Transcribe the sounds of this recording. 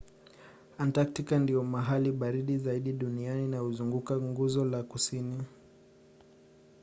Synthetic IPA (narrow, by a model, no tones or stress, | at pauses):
antaktikandiɔmaɦaliɓaɾiɗizaiɗiɗunianinahuzuŋɡukaŋɡuzɔlakusini